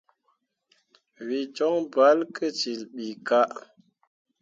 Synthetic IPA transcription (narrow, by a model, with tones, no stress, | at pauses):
wi˨d͡ʒɔ˦ŋba˨˦lkʰə˦t͡ʃi˨lɓi˨ka˦ʔ